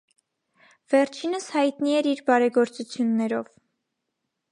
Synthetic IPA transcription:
v̥ɛɾt͡ʃʰinəshɑjt̪niɛɾiɾbɑɾɛɡɔɾt͡sut͡sʰjunːɛɾɔv

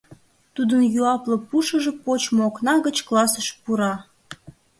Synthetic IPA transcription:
t̪ud̪ənjuɑplə̆puʃəʒepot͡ɕmoknɑɣət͡ɕklɑsəʃpuɾɑ

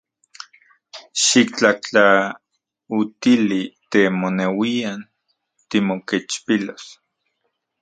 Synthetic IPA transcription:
ʃik̚t͡ɬaht͡ɬa | ut̪ilit̪emonewian | t̪imoket͡ʃpilos

